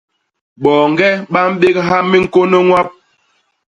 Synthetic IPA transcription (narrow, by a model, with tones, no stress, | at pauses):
ɓɔː˨ŋ˨ɡɛ˦ɓa˦m̩˦ɓe˦k̚ɦa˦mi˦ŋ̩˨ko˦nə˦ŋwa˦p̚